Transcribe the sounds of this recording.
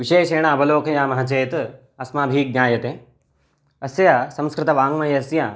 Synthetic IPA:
ʋiʃeːʃeːɽ̃ãɐbɐloːkʰɐjãːmɐɦɐt͡ʃeːt̪ | ɐsmãːbʱiːk̚ɲaːjɐt̪ẽː | ɐsjasɐ̃mskɾɪt̪ɐʋaːŋɡmɐjɐsjã

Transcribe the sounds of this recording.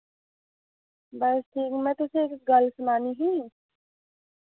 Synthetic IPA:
bɐsʈʰiːkmɛ̃t̪ʊseeːkɡɐlsmaːniɦĩː

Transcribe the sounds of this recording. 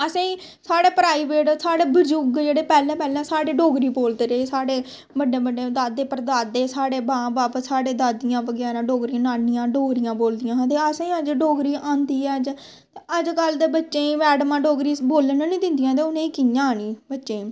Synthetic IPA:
əsãːiː | saːɽeːpɾaːiːbeːʈsaːɽeːbəd͡ʒuːɡd͡ʒeːɽeːpɛːlɛ̃ːpɛːlɛ̃ːsaːɽeːɖoːɡɾiːboːld̪eːɾeesaːɽeː | bəɖeːbəɖeːd̪aːd̪eːpəɾd̪aːd̪eːsaːɽeːbãːbaːpsaːɽeːd̪aːd̪ɪjãːbəɡɛːɾãːɖoːɡɾijãːnaːnːɪjãːɖoːɡɾɪjãːboːld̪ɪjãːɦt̪eːəsãːĩːəd͡ʒɖoːɡɾiːʔãːnd̪iːɛːəd͡ʒ | t̪eəd͡ʒɡəld̪eːbətːʃẽːʋɛːɖmãːɖoːɡɾiːboːlnãːnĩːd̪ɪ̃nd̪ɪjãːt̪̬eːʊnẽːiːkɪjãːniːbətːʃẽː

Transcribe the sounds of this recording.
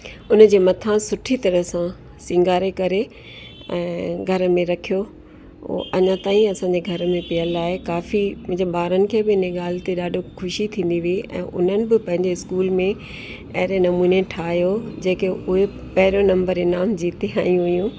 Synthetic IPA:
ʊnəd͡ʑeːmɐt̪ʰãsʊʈʰit̪ɐɾəsã | sɪ̃ŋɡaːɾekɐɾe | ɛ̰̃ːɡʱɐɾə̆mẽɾɐkʰijo̰ | ʔɐɲãt̪aːĩɐsãːɲd͡ʑeɡʱɐɾəmẽpɪjəlaːɦekaːfiʊ̃d͡ʑeɓaːɾənɪ̆kʰeːbɪɪnẽɠaːlɪt̪iɗaːɖʱokʰʊʃit̪ʰĩːn̆d̪iʋiiʔɛ̰̃ːʔʊ̰n̤ənɪ̆bɪpɐ̃ɦɪ̃ɲd͡ʑeɪskuːlmẽ | ɐɦɪɾenɐmuːneʈʰaːɦijod͡ʑeːkeʊɦe | pɐɦɪɾonɐ̃mbəɾeːnaːmd͡ʑiːt̪iɦaːjũɦʊjũː

